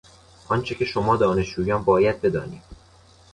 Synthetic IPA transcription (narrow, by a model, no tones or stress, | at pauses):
ʔɒnt͡ʃʰe̞cʰʲe̞ʃomɒːd̪ɒːne̞ʃd͡ʒuːjɒːnbɒːjæd̪̚be̞d̪ɒ̰ːnḭːd̪̥